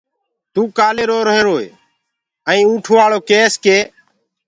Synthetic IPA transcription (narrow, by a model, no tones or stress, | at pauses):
t̪uːkaːleːɾoːɾəɦeːɾoːḛː | əĩːũːʈʰoːʋaːɭoːkeːskeː